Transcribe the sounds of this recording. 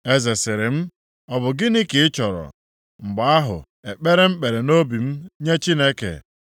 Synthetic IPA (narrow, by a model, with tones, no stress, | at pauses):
e˦ze˨sɪ˨ɾɪ˨m̩˦ | ɔ˨bʊ˨ɡɪ˦ni˦ke˨ɪ˦t͡ʃɔ˨ɾɔ̰˨ | ŋ͡m̩˨ɡ͡ba˨a˦ɦʊ̰˨ | e˨k͡pe˦ɾe˦m̩˦k͡pe˨ɾe˨no˦bi˨m̩˦ɲe˦t͡ʃi˦ne˦kḛ˨